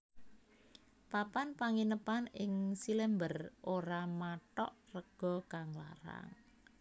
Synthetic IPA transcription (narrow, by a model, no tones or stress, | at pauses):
papanpaŋinəpanɪŋsilɛmbərʔoɾamaʈɔ̰ʔrəɡ̥ɔ̤kaŋla̰ɾa̰ŋ